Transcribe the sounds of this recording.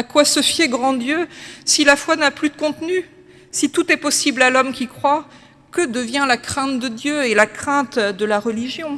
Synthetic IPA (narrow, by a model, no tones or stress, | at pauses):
akwasəfjeɡʁɑ̃d̪jøsilafwanaplyd̪əkɔ̃t̪ny | sit̪ut̪ɛpɔsiblalɔmkʲikχwa | kəd̪əvjɛ̃lakχɛ̃t̪d̪əd̪jøelakχɛ̃t̪d̪əlaʁəliʒjɔ̃